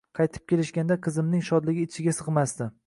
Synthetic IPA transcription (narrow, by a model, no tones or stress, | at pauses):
qʰɑjt̪ʰɪ̥p̚kʲʰe̞lɪʃɡʲand̪aqʰɨzɪmnɪŋʃɒd̪lɪɡʲɪːt͡ʃʰɪɡʲasɨqmasd̪ɪ